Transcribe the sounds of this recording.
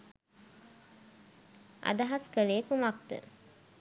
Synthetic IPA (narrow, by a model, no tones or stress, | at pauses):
ʔa̰d̪aɦaskəleːkumak̚t̪ə̰